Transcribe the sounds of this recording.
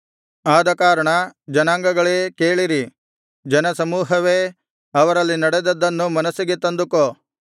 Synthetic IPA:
aːd̪ɐkaːɾɐɳɐd͡ʒɐnaːŋɡɐɡɐɭekeːɭiɾi | d͡ʒɐnɐsɐmuːɦɐʋeː | ɐʋɐɾɐlːinɐɽed̪ɐd̪ːɐnːumɐnɐsiɡet̪ɐnd̪uko

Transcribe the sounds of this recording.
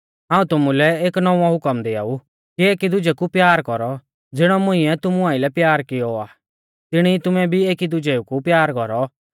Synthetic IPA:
ɦãːũt̪ʊmulɛeːknɔ̃ãɦʊkəmd̪ɪa̰ːu | kieːkid̪ʊd͡ʒɛkupjaːɾkɔɾɔ | d͡zɪɽ̃ɔmʊ̃ɪ̃ɛt̪ʊmuãːilɛpjaːɾkɪjɔaː | t̪ɪɽ̃it̪ʊmɛbʱieːkid̪ʊd͡ʒɛukupjaːɾkɔɾɔ

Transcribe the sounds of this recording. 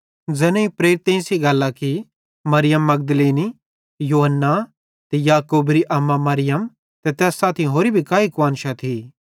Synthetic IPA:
d͡zɛːnẽipɾeːɾɪt̪ẽĩsiɡɐlːaki | mɐɾɪjəmːɐɡd̪leːni | joːɦənːa | t̪ɛjaːkuːbɾiʔɐmːamɐɾɪjəm | t̪ɛt̪ɛːsːaːt̪ʰiɦoːɾibʱikaːikʋaːnʃat̪ʰi

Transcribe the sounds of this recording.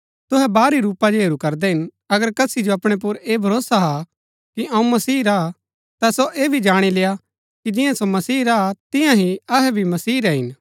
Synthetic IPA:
t̪ʊɦɛbaːɾiɾuːpad͡ʒoɦeːɾukɐɾd̪ɛɦɪn | ɐɡəɾkɐsid͡ʒoɐpɽ̃ep̬ʊɾeːbʱɐɾoːsaɦa | kiʔɐ̃ũmɐsiːɾa | t̪asoʔeːbʱid͡ʒaːɽ̃ileːja | kid͡ʒɪjãsomɐsiːɾaat̪ɪ̃jãɦiɐɦɛbʱimɐsiːɾɛɦɪn

